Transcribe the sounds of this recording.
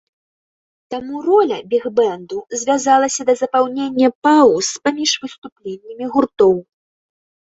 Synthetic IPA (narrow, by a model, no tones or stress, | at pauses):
t̪amurɔlʲɐbʲiɣbɛnd̪uzʲvʲazalˠɐsʲɐd̪ɐzɐpawnʲenʲːɐpauspamʲiʂvɨst̪uplʲenʲːɐmʲiɣurt̪ɔw